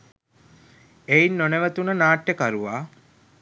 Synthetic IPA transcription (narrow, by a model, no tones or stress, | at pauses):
einːoneʋət̪unənaːʈːəkaɾuʋaː